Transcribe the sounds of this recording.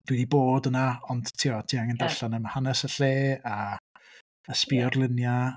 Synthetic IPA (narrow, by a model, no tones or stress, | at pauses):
d̥widiboːdənaɔnd̥tʰiɔtʰiːaŋəndaɬanəmahanɛsəɬeːa | əspiɔrlˠɪnja